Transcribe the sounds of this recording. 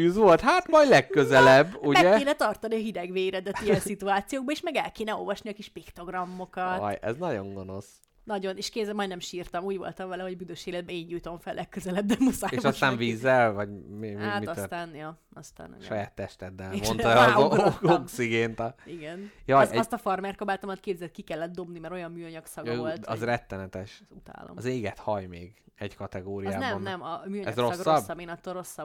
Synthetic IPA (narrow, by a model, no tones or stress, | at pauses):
yːzʋo̞lt̪ɦaːt̪mɒjd̪lɛkkːøzɛlɛbːumɛɛkeːnɛt̪ɒrt̪ɒniɒɦid̪ɛɡʋeːjɾɛd̪ɛijɛnsit̪uaːt̪sijoːɡ̚bɒeːʃmɛɡɛlkeːnɛo̞̰lvɒʃniɒkiʃpikt̪o̞ɡrɒmːo̞kɒt̪ɔjɛ̰znɒɟo̞̰ŋɡo̞no̞s | nɒɟo̞neːʃkeːzɛmːɒjd̪nɛmʃiːrt̪ɒmuːɟvo̞̰lt̪ɒɱvɛlɛho̞ɟbyd̪øʃeːlɛd̪̚bɛeːɲːujt̪o̞ɱfɛllʔɛkkːøzɛlɛb̚d̪ɛmusaːejʃɒst̪aːnviːzːɛlvɒɟmimiaːmist̪aːnjo | ɒst̪a̰ːn̰ʃɒjaːt̪ːɛʃt̪ɛd̪ːɛlmon | oksiɡeːnt̪ɒiɡɛnjɒɛst̪ɒfɒrmɛrt̪̚kobaːt̪ɒmɒt̪keːbzɛt̪̚kikɛlːɛt̪d̪o̞bnimɛɾojɒmmyːɒɲɒksɒɡøoltɒ̰zrɛt̪ːɛnɛt̪ɛʃzut̪a̰ːlo̰mɒzeːɡɛt̪hɒjmeːɡɛɟkɒt̪ɛɡoːɾiaːnɛonnɛmɒmyːɒɲɛzrsɡːoɒbːɒbeːnɒt̪ːoro̞sːɒb